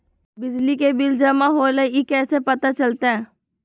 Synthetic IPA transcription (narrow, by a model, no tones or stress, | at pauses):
bɪd͡ʒlikebɪld͡ʒɐmaɦoːlejikɛːsepɐt̪at͡ʃɐlt̪eɦɛ̃ː